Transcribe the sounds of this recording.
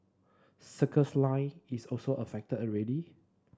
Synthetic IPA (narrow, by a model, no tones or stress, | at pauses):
səkʰəslãɪisɔlsoʔəfɛk̚tədəɹɛdi